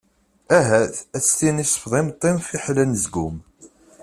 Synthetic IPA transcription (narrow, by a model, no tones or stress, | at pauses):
æɦæθæt͡sːt̪inisˤə̥fðˤɪmt̪ˤːɪmfiħlænəzɡum